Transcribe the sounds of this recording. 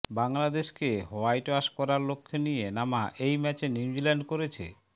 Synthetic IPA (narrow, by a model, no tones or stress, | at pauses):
baŋlad̪eʃkehoajʈaʃkɔɾaɾlokʰːenijenamaʔejmɛt͡ɕeniwd͡ʑilɛɳɖkoɾet͡ɕʰḛ